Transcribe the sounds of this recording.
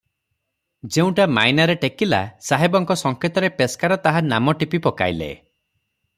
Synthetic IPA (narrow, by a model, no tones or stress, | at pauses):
d͡ʒeũʈama̰jnaɾeʈekila̰saɦebɔŋkɔsɔŋket̪ɔɾepeskaɾɔt̪aɦanamɔʈipipɔka̰jlḛ